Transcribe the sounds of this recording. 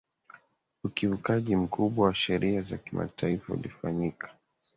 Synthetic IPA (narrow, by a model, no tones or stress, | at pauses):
ukivukaʄim̩kʰuɓwawaʃɛɾʔiaza̰kima̰tʰaifaṵlifaɲikḁ